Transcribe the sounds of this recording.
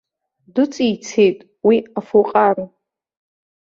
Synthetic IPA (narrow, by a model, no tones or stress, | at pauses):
dɨt͡sʼijt͡sʰejtʼ | wiafuqʼar